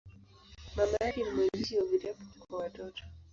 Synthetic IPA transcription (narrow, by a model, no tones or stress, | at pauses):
mamaaɾimwɛzisiɔvitapɔkwawatɔtɔ̥